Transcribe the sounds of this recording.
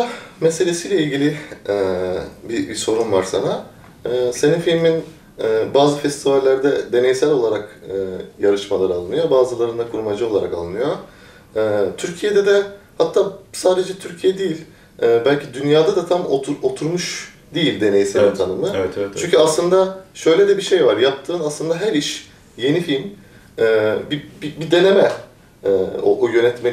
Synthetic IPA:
amese̞lʲe̞siːlʲɛilʲɟilʲiɛbibiso̞ɾunvaɾsa̰na | ɯːse̞ninfilʲminː | baːzɯfɛst̪ʰivalʲːæɾd̪ɛd̪e̞ne̞jsælʲo̞lˠaɾakɯːjaɾɯʃmalˠaɾɯalˠɯnɯjobaːzɯlˠaɾɯnd̪akʰuɾumad͡ʒɯo̞lˠaɾa̰kalˠɯnɯjoː | t̪ʰyɾcʰijed̪ɛd̪ɛhat̪ʰːaːsaːd̪e̞d͡ʒɛt̪ʰyɾcʰijɛd̪ijilʲ | ɛbælʲcʰid̪ynjaːd̪ad̪at̪ʰamoɾot̪ʰuɾmuʃ | d̪ejilʲd̪e̞ne̞jiseɾint̪ʰanɯmɯɛɛt͡ʃyɲʲcʰyaslˠɯnd̪aʃøjlʲed̪ɛbiʃe̞jvaɾjap̚t̪ʰɯːnaslˠɯnd̪aɦæɾiʃ | je̞nifilʲm | ɛːbibibid̪e̞ne̞mɛ | ɛo̰ʔojø̞nɛt̪me

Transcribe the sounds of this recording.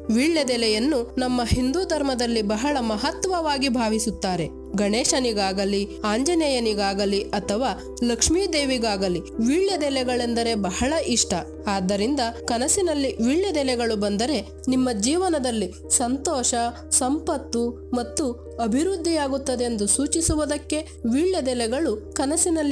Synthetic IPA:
ʋiːɭːɐd̪ɛlɛjɐnːunɐmːɐɦind̪uːd̪ʱɐɾmɐd̪ɐlːibɐɦɐɭɐmɐɦɐt̪ʋɐʋaːɡibʱaːʋisut̪ːaːɾe̞ | ɡɐɳeːʃɐniɡaːɡɐliaːɲd͡ʒɐnɛjɐniɡaːɡɐliʔɐt̪ʰɐʋaː | lɐkʂmiːd̪eːʋiɡaːɡɐliʋiːɭːɐd̪ɛlɛɡɐɭe̞nd̪ɐɾe̞bɐhɐɭɐʔiʂʈɐ | aːd̪ːɐɾind̪ɐkɐnɐsinɐlːiʋiːɭːɐd̪ɛlɛɡɐɭubɐnd̪ɐɾe̞ | nimːɐd͡ʒiːʋɐnɐd̪ɐlːi | sɐnt̪ɔːʃɐ | sɐmpɐt̪ːu | mɐt̪ːu | ɐbʱiɾud̪ʱːijaːɡut̪ːɐd̪eend̪usuːt͡ʃisuʋud̪ɐkːe̞ | ʋiːɭːɐd̪ɛlɛɡɐɭukɐnɐsinɐlːi

